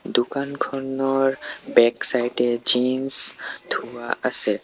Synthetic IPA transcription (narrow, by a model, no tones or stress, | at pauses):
d̪ukankʰɔnɔɾbɛksajʈed͡ʒinst̪ʰuwaʔəse